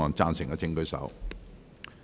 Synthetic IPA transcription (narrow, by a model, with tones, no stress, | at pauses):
ɔː˨˩nt͡saː˧nsɪ˨˩ŋkɐː˧t͡sɪ˧ŋkɵ˨˧ɥsɐ̰˨˥w